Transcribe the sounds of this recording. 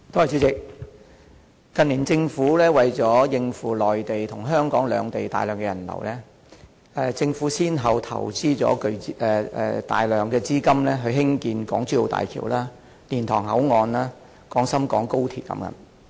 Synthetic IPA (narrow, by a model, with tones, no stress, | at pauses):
t̪oː˥hɐ˨jt͡sy˨˥t͡sɪ˨k̚ | kɐ˨nliː˨˩nt͡sɪ˧ŋfuː˨˥lɛː˥wɐ˨jt͡sɔː˨˥jɪ˧ŋfuː˨˩lɔː˨jt̪e˨jt̪ʰʊ˨˩ŋɦœː˥ŋkɔː˨˥ŋlœ̰ː˨˧ŋt̪e˨jt̪a̰ː˨jlœː˨˩ŋkɛ˧jɐ˨˩nlɐ̰˨˩wlɛː˥ | ɛː˧t͡sɪ˧ŋfuː˨˥siː˥nɦɐ˨˩wt̪ʰɐ̰˨˩wt͡siː˥t͡sɔ̰ː˨˥kɵ˧ɥɛ˧ɛ˧t̪a̰ː˨jlœː˨ŋkɛː˧t͡siː˥kɐ˥mlɛː˥ɦɵ˧ɥɦɪ˥ŋkiː˧nkɔː˨˥ŋt͡syː˥jo˨˧wt̪a̰ː˨jkʰḭː˨˩wlaː˥ | liː˨˩nt̪ʰɔː˨˩ŋɦɐ˨˥wŋɔː˧nlaː˥ | kɔː˨˥ŋsɐ˥mkɔː˨˥ŋko˥wt̪ʰiː˨t̚kɐ̰˨˦mkɐ̰˧˥m